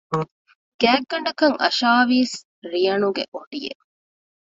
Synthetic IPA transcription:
ɡ̥æːɡːɐɳɖɐkɐŋʔɐ̰ʃaːʋiːs | ɾiɐnuɡḛʔoɖijḛ

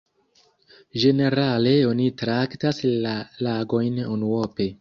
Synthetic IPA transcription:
ʒe̞ne̞ɾale̞o̞nitɾaktasalaɡo̞jnunuope̞

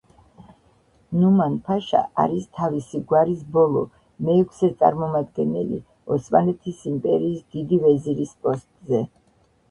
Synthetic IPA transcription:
numanpʰaʃa̰aɾist̪ʰavisiɡwaɾis̬bɔlˠɔ | mɛːkʰsɛt̪sʼa̰ɾmɔmad̪ɡɛnɛ̰lḭ | ɔsmanɛt̪ʰisimpʼɛɾiːsd̪̥id̪ivɛziɾispʼɔst̪ʼzɛ

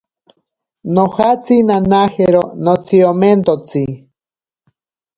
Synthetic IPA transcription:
nohat͡sinanaheɾonot͡sʰioment̪ot͡si

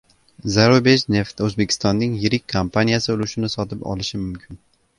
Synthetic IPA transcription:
zaɾobet͡ʃne̞ft̪ɵzbekʰʲɪ̥st̪ɒnːɪŋjɪɾɪkʲkʰːampʰanijasɪʊlʊʃɪnɪsɒt̪ɪpɒ̰lɪʃɪmʊmkʲʰɪn

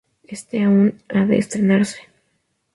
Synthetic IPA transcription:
est̪eaunaðḛːst̪ɾe̞naɾse̥

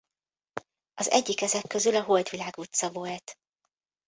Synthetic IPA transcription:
ɒzɛ̰ɟːikɛzɛkːø̞zylɒɦo̞ld̪ʋilaːɡut̪sɒvo̞lt̪

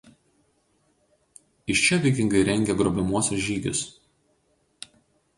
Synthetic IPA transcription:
ɪʃt͡ʃʲɛʋʲɛɪkʲɪŋɡɐɪɾʲɛŋʲɡʲɛɡɾobʲɛmuɔsʲɛsʒʲiːɡʲɪ̰s

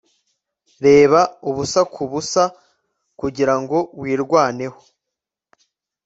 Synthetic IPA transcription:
ɾe̞ːβauβusakʰuβusa | kuɟiɾaŋɡo̞bwiːɾɡwaːne̞ho̥

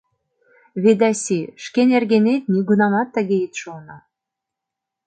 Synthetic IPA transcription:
βed̪æsʲiʃkenerɣenet̪̚nʲiɡunɑmɑt̪ːə̆ɣʲeet̪ʃuɤnɑ

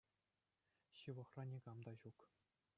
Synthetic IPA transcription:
ɕɯʋɤ̆χrɑnʲiɡɑmd̪ɑʑuk

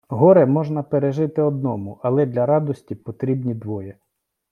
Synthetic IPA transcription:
ɦɔɾɛmɔʒnɐpeɾeʒɪt̪ɪɔd̪nɔmʊʔɐlˠɛd̪lʲɐɾɑd̪ɔsʲtʲipɔt̪ɾʲibnʲid̪ʋɔjɛ

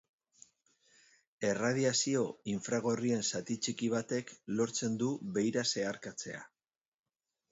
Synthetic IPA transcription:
e̞raðiasio̞iɱfɾaɣ̞o̞rie̞nsat̪it͡ʃikiβ̞at̪e̞klo̞ɾt͡se̞nd̪uβe̞jɾase̞aɾkat͡se̞̰a̰

